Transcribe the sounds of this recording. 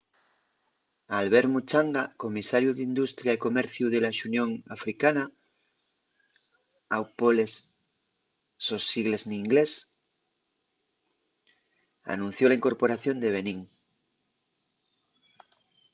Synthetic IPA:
alβe̞ɾmut͡ʃaŋɡako̞misaɾjuðind̪ust̪ɾjaiko̞meɾθjuðelaʃunjõŋafɾikana | awpole̞s | o̞siɣle̞zniːŋɡles | a̰nũn̟θjo̞laiŋkoɾpoɾaθjo̞nd̪e̞β̞e̞nĩŋ

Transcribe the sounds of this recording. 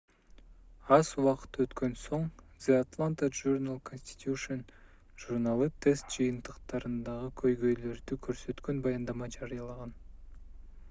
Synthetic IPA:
ɑzuwɑqɯ̥t̪øt̪kø̞nso̞ɴ | z̥eat̪lˠant̪əʒuɾnalˠkʰonsʲt̪ʲi̥t̪juʃon | ʒuɾnalˠɯt̪ʰe̞st̪̚d͡ʒɯjɯnt̪ɯqt̪ɑɾɯnd̪ɑʁɯkʰøjɡø̞jlø̞ɾd̪ykʰøɾsø̞t̪kønbɑjɑnd̪ɑmɑd͡ʒɑɾɯjɑlˠɑʁɑn

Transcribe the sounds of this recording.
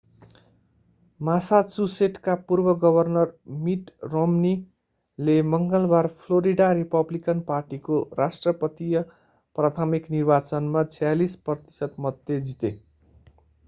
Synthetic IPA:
masasuseʈkapurbʌɡʌbʱʌrnʌrmiʈromni | lemʌŋɡʌlbarpʰloɾiɖaɾipʌblikʌnparʈikorasʈrʌpʌt̪ijʌ | prat̪ʰamiknirbat͡sʌnmat͡sʰʌjalisprʌt̪i̥sʌt̪mʌd̪jed͡zit̪ḛ

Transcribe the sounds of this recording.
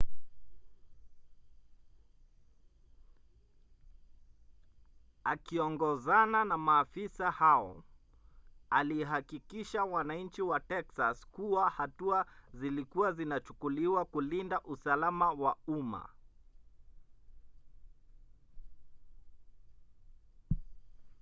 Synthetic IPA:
akiɔŋɡɔzananamaːfisahaɔ̰ | aliɦakikiʃawanaɲ̩t͡ʃiwatɛksaskuwahatuazilikuazinat͡ʃu̥kuliwakulindaʔusalamawauma̰

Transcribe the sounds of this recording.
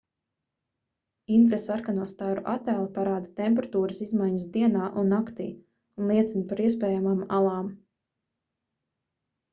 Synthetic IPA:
int̪ɾesaɾkanuɔst̪aːɾuʔat̪æːlˠapaɾaːd̪at̪ɛmpɛɾat̪uːɾəsizmajɲəsd̪iɛnaːʔunːakt̪ḭː | unlˠiɛt̪sinpaɾiɛspɛːjamamalˠɑːm

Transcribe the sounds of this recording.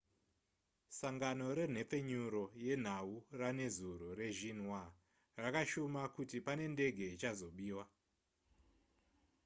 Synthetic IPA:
saŋɡano̞ɾe̞n̤e̞p͡fe̞ɲuɾo̞je̞n̤aurane̞zuɾure̞ʒin̤wa | rakaʃomakutipane̞nde̞ɡʱe̞it͡ʃazo̞ɓiːwa

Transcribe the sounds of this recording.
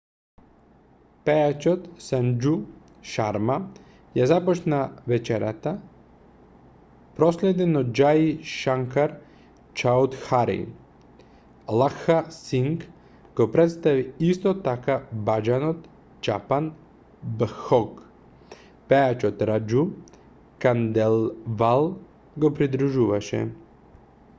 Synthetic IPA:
pɛat͡ʃɔt̪sand͡ʒu | ʃaɾma | jazapɔt͡ʃnavɛt͡ʃɛɾat̪a | pɾɔslɛd̪ɛnɔd͡ʒaiʃaŋkaɾ | t͡ʃaud̪xaɾḭ | lˠaxasiŋk | ɡopɾɛt̪st̪aʋiist̪ɔt̪akabad͡ʒanɔt̪ | t͡ʃa̰pan | bxɔɡ | pɛat͡ʃot̪ɾad͡ʒu | kand̪ɛlˠvalˠ | ɡopɾid̪ɾuʒuʋaʃɛ̰

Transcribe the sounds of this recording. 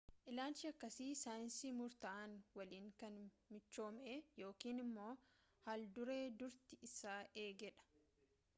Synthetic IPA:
ʔɪlaːlt͡ʃːɪɐkːɐsiːsaːjɪnsiːmʊɾt̪ɐʔaːnwɐliːŋkɐn | mɪt͡ʃːo̞ːmeːjo̞ːkiːnɪmːo̞ː | hald̪ʊɾe̞ːd̪ʊɾt̪ɪɪsaːʔeːɡɛᶑɐ̥

